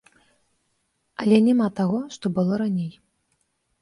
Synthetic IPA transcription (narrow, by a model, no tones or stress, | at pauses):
ɐlʲɛnʲɛmat̪aɣɔʂt̪ɔbɨlˠɔɾanʲej